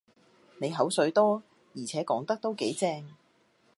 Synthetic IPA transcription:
ne˨˧jɦɐ˨˥wsɵ˨˧˥ɥt̪ɔː˥ | jiː˨˩t͡sʰɛː˨˥kɔː˨˥ŋt̪ɐ˥k̚t̪o˥wke˨˥jt͡sɛː˧ŋ

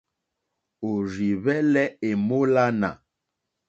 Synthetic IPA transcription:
o˨ɾi˨βɛ˦lɛ˦e˨mo˦la˦na̰˨

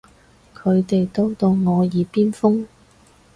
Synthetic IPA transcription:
kʰɵ˨˧ɥt̪e˨jt̪o˥wt̪o˧wŋɔː˨˧jiː˨˧piː˥nfʊ˥ŋ

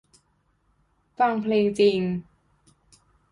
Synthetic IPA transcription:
fa˧˩ŋpʰleː˧ŋt͡ɕi˧ŋ

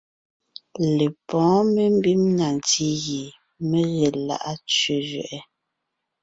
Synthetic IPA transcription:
le˨pɔ̃ː˨˦me˦m˦bi˦mna˨n˨ti˦ɣi˨ | me˦ɣe˨la̰˨ʔa˦t͡ʃɥe˨ʒɥɛ̰˨ʔɛ˦

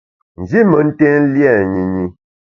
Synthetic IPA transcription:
n̩˨d͡ʒi˦mə˨n̩˦tɛ˦n̩˦ljɛ˦˨ɲi˨ɲi˨

